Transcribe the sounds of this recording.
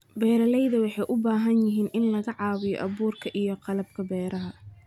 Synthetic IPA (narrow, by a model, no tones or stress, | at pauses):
bɛːɾɐlɛjðɐwɑħɑjʔʊbaːɦɐnjɪɦiːnʔɪnlɐɣɐʕɑːwɪjɔ̰ʔɐβuːrkʰɐʔijɔqɑlɐbkʰɐbɛːɾɐɦɐ